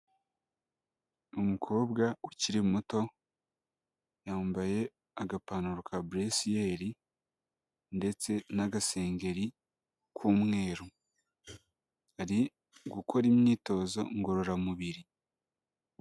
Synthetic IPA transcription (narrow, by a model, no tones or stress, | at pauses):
umukʰo̞ːbɡauciɾimuto̞ | jaːmbaje̞ | aɡapanuɾokʰabɾesije̞ɾi | nde̞t͡se̞naɡase̞ːŋɡe̞ɾi | kʰuːmŋe̞ːɾu | aɾi | ɡukʰo̞ɾimɲiːto̞ːzo̞ŋɡoɾoɾamuβiɾi